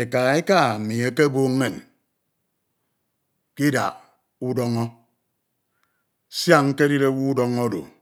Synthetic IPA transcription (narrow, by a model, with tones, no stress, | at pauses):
e˨ka˨˦e˦ka˦˨mi˨e˦ke˦boː˦ŋː˦e˦˨n | ki˦da̰˨ | u˦dɔ˦ŋɔ˦ | sja˦˨ŋŋ̩˦ke˦di˦ɾe˦wu˦u˦dɔ˦ŋo˦do̰˨